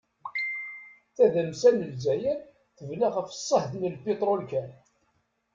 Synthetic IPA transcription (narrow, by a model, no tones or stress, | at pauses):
θæðæmsænəlzæjæ | θəvnaʁəfə̥sˤːəhθnəlpit̪ˤɾolkæn